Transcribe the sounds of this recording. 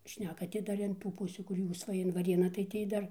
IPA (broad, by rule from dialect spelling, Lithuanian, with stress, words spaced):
ˈʃʲnʲæːkɐ tʲɪ ˈdɐr ɪn ˈtuː ˈpʊsʲuː kʊr ˈjuːs ˈʋɐ ɪn ʋɐˈrʲeːnɑː tɐɪ ˈtʲiː dɐr